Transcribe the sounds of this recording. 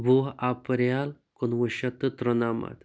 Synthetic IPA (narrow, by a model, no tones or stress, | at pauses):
bʱuɦapɾjal | konʋəʃɐt̪ɐt̪ɾɐnaːma̰t̪